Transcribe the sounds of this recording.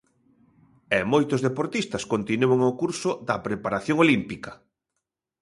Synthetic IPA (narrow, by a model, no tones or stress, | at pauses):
ɛmojt̪ozðepoɾt̪ist̪ɐskont̪inuoŋokuɾsʊd̪ɐpɾepaɾaθjoŋolimpikɐ